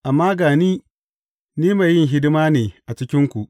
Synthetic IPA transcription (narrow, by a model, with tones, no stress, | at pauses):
ʔa˨mːaː˦ɡaː˨niː˦ | niː˦ma˨jːɪ˦ŋɦɪ˦dɪ˦maː˦neː˨ʔa˨t͡ʃɪ˦kʲɪ˦ŋkʷu˨ʔ